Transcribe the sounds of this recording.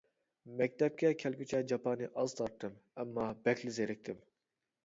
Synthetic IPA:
mɛk̚ʲt̪ɛp̚kʲɛkʲʰɛlɡʲyt͡ʃʰɛd͡ʒɑpʰɑnɨʔɑz̥t̪ʰɑɾt̪ʰːɨmɛmːɑbɛkʰʲlɪzeɾɪk̚ʲt̪ʰɪm

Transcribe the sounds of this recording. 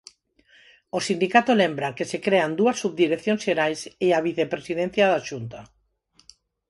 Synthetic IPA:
osind̪ikat̪olembɾaŋkesekɾeand̪uɐsːuβd̪iɾeθjõnsʃeɾajseaβiθepɾesiðẽn̟θjaðaʃunt̪a

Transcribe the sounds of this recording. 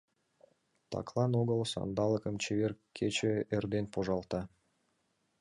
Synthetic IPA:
t̪ʰɑ̰klˠɑnoɣə̆lˠsɑ̰nd̪ɑlˠəkə̆mt͡ɕeverkʲʰːet͡ɕɘ̆erd̪enpʰoʒɑlˠt̪ɑ

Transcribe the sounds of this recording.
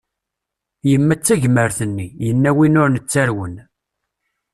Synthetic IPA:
jəmːæt͡sːæʝməɾθənːijənːæwinʊɾnət͡sːæɾwən

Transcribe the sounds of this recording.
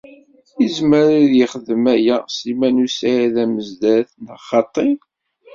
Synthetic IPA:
izməɾiðjəχəðəmæjæsimænusaðæməzd̪æθnəχːɑt̪ˤːi

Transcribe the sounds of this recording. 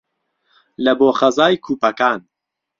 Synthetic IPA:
lɐboːχɐzaːjkʰuːpɐkaːn

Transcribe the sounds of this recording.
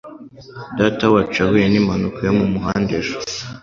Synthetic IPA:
datawat͡ʃaweenimanukʰojomumuɦaːndeʒo̥

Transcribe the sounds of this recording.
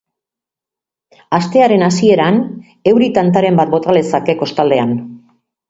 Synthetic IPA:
ast̪e̞aɾe̞nasie̞ɾan | e̞wɾit̪ant̪aɾe̞mbat̪bo̞t̪alesake̞ko̞st̪ald̪e̞an

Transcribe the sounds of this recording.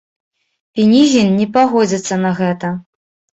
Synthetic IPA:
pʲinʲizʲinːʲɛpaɣɔd͡zʲit̪sːɐnɐɣɛt̪ɐ

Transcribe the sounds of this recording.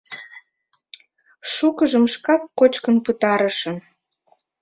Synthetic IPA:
ʃukəʒəmʃkɑkːot͡ɕkənpət̪ɑɾəʃən

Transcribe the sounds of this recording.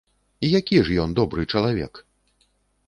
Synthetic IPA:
ijakʲiʐjɔnd̪ɔbɾɨt͡ʂɐlˠavʲɛ̰k

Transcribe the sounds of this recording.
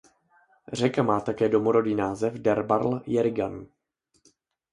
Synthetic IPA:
r̝ɛkamaːt̪akɛːdo̞moɾo̞diːnaːzɛfdɛɾbaɾljɛɾɪɡan

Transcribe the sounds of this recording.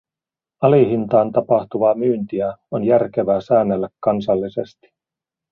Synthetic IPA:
ɑliɦint̪ɑːnt̪ɑpɑht̪uʋɑːmyːnt̪iæonjærk̟e̞ʋæːsæːnːelːækːɑnsɑlːise̞st̪i̥

